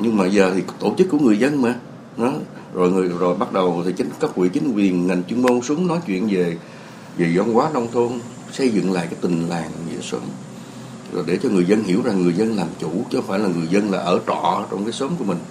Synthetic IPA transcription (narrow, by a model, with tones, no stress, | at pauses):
ɲɨ˧ŋmaː˨˩jzəː˨˩t̪ʰi˨˩t̪o˧˩t͡ɕɨ˦˥k̚ːu˧˩əŋɨ˨˩əjzə˧nmaː˨˩ | nɔ˨˦ | zo˨˩jŋɨ˨˩əzo˨˩jɓa˦˥t̚ɗə˨˩wt̪ʰi˨˩t͡ɕï˨˦ŋ̟kaː˦˥k̚wḭ˧˨t͡ɕï˨˦ŋ̟kwi˨˩ənŋa˨˩jŋt͡ɕwi˧əŋmo˧nsu˨˦ŋ͡mnɔ˨˦jt͡ɕwḭ˧˨ənve˨˩ | ve˨˩zɔ˧wŋ͡mkwaː˨˦˥nɔ˧wŋ͡mt̪ʰo˧n | sə˧jzɨ̰˧˨ŋla̰ː˧˨jkaː˨˦jt̪ï˨˩ŋ̟laː˨˩n˨˩ŋḭ˧˥əsə̰˨˦m | zo̰˨˩jɗe˧˩t͡ɕɔ˧ŋɨ˨˩əjzə˧nɦi˧˩əwza˨˩ŋːɨ˨˩əjzə˧nlaː˨˩mt͡ɕu˧˩t͡ɕxfaː˧˩jlaː˨˩ŋɨ˨˩əjzə˧nlaː˨˩ʔəː˧˩t͡ɕɔ̰˧˨ʔəː˧˦t͡ɕɔ˧wŋ͡mkaː˨˦jsə˨˦ŋ͡mku˧˩əmï˨˩ŋ̟